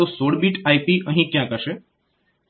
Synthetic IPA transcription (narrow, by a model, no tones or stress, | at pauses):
osoːɽbiːʈaːipiʔəɦĩkjãːkəʃe